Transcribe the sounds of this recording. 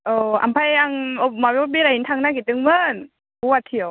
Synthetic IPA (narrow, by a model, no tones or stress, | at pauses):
ʔɤːʔa̰mpʰajaŋop̚mɔwbiɾaint̪ʰaŋnak̬it̪ɯŋmɯn | uat̪ʰːiəw